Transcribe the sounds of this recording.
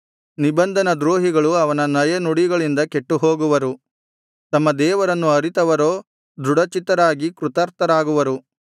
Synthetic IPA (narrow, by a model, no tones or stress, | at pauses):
nibɐnd̪ʱɐnɐd̪ɾoːɦiɡɐɭuɐʋɐnɐnɐjɐnuɽiɡɐɭind̪ɐke̞ʈːuɦo̞ːɡuʋɐɾu | t̪ɐmːɐd̪ɛːʋɐɾɐnːuɐɾit̪ɐʋɐɾo̞ː | d̪ɾuɽɐt͡ʃit̪ɐɾaːɡikɾut̪ɐɾt̪ɐɾaːɡuʋɐɾu